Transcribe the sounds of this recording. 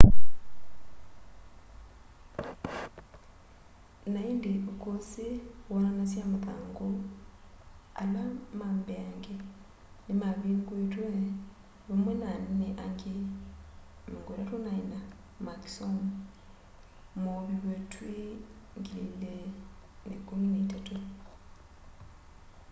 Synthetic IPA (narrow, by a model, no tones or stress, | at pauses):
naindiʔokosiwonanasjamaðaːŋɡo | a̰lamaːmbeaŋɡe | nimaβinɡwetwe | βamwɛnanneʔaŋɡe | maŋɡwoɾatonaina | maksom | moβiβetwe | ŋɡilḭlenḛkomineitatu